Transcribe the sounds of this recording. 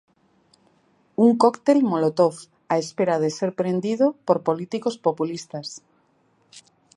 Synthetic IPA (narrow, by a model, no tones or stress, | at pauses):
uŋkokt̪elmolot̪of | aespeɾað̞eseɾpɾend̪iðopoɾpolit̪ikospopulist̪as